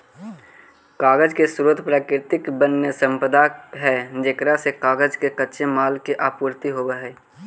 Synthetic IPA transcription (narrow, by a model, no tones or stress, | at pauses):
kaːɡəd͡ʒkesʊɾoːd̪ʱpɾaːkɾɪɾt̪ɪkbənːjəsə̃mpəd̪ʱaɦɛd͡ʒeːkɾasekaːɡəd͡ʒkekətːʃʰemaːlkeʔaːpuːɾt̪iɦobəɦɛː